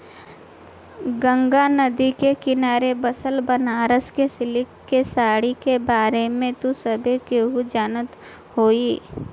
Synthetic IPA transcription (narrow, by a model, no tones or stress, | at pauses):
ɡə̃ŋɡanɐd̪ikekɪnaːɾebəsəlbənaːɾəskesɪlɪkːesaːɽikebaːɾemẽt̪usəbʱekeɦud͡ʒaːnət̪ | hoːiː